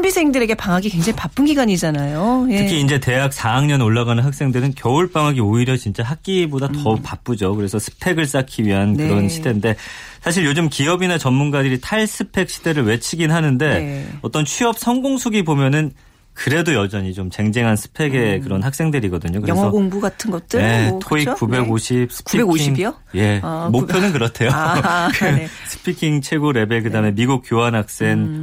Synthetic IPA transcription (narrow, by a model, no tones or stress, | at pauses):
mbisʰe̞ŋdɯɾe̞ɡe̞paŋaɡikwe̞ŋd͡ʑaŋipap͈ɯnɡiɡaɲid͡ʑanajotʰɯkʰiːnd͡ʑe̞te̞ɦak̚sʰaaŋɲʌnoɭːaɡanɯnɦak̚s͈e̞ŋdɯɾɯnkjʌuɭp͈aŋɦaɡioiɾjʌt͡ɕint͡ɕ͈aɦak̚k͈ibodatʌpap͈ud͡ʑokɯɾe̞sʰʌsʰɯ̥pʰe̞ɡɯɭs͈akʰiɥiɦankɯɾʌnɕʰide̞nde̞sʰaɕ̬ʰiɭjod͡ʑɯmkiʌbinat͡ɕʌnːunɡadɯɾitʰaɭsʰɯpʰe̞k̚ɕ͈ʰide̞ɾɯɭwe̞t͡ɕʰiɡinɦanɯnde̞ʌt͈ʌnt͡ɕʰɥiʌp̚sʰʌŋɡoŋsʰuɡibomjʌnɯn | kɯɾe̞dojʌd͡ʑʌɲit͡ɕomt͡ɕe̞ŋd͡ʑe̞ŋɦansʰɯ̥pʰe̞ɡe̞kɯɾʌnɦak̚s͈e̞ŋdɯɾiɡʌdɯɲokɯɾeŋʌoŋbuɡatʰɯnɡʌt̚t͈ɯetʰoikk͈ube̞ɡoɕʰib̚sʰɯ̥kpubeɡoiŋo | je̞mopʰjonɯnkɯɾʌtʰe̞jokɯsʰɯ̥pʰikʰiŋt͡ɕʰe̞ɡoɾe̞be̞kɯdame̞miɡuk̚k͈joɦanɦak̚s͈e̞n